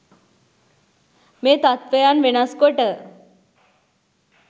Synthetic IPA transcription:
meːt̪at̪ʋejanʋenaskoʈə

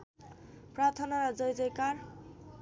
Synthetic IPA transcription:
prat̪ʰʌnaɾʌd͡zʌjd͡zʌjkar

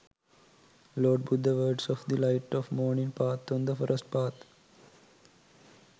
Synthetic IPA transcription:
lɔːɖ̚bud̪əʋəːɖsɔːfd̪ilaɪʈɔʋmɔːɾnĩŋpaːt̪ʰɔ̃nd̪əfɔɾəsʈ̚paːt̪

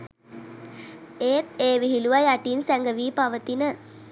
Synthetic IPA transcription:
eːt̪̚eːʋiɦiluʋajaʈiːnsæŋɡəʋiːpaʋət̪inə

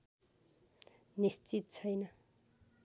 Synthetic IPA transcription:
nist͡sit̪̚t͡sʰʌjnʌ

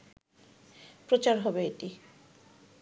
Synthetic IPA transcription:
pɾot͡ɕaɾɦɔbeeʈi

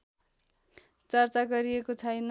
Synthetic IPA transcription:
t͡sʌrt͡saɡʌɾijekot͡sʰʌjn

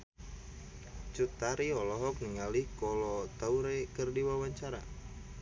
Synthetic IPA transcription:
t͡ʃut̪aɾiɔlɔɦɔk̚niŋalihkɔlɔt̪auɾekərdiwawaɲt͡ʃaɾa

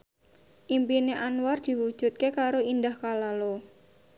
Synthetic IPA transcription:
ʔimpineʔanward̪̥i̤wud̥ʒ̥ṳt̪̚kekaɾoindahkalalo

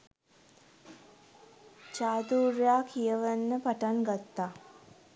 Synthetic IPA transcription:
t͡ʃaːd̪uːɾjaːkʰijəʋənːəpaʈaŋɡat̪ːaː

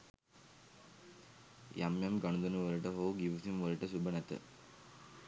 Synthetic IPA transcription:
jʔɐmjɐmɡɐɳud̪ɐnuʋɐɾɯʈɐɦoːɡiʋusimʋɐɾiʈɐsubɐnɐt̪ɨ̰

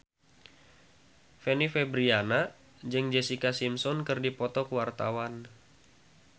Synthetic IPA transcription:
fɛnifɛbɾiana | d͡ʒɨŋd͡ʒɛsikasimsɔnkɨrdipɔt̪ɔkəwart̪awan

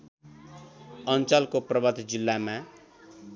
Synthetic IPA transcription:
ʌnt͡sʌlkoprʌbʌt̪d͡zilːama

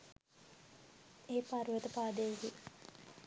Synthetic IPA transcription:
eːpaɾuet̪əpaːd̪eŋɡi

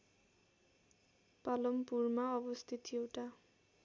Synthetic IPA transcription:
palɔmpuɹmaɔbɔst̪ʰit̪ʰioʈa

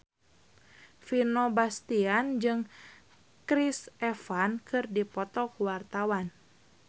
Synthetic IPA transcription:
finobast̪iand͡ʒɨŋ | kɾisɛfankʰɨrdipɔt̪ɔkuwart̪awan

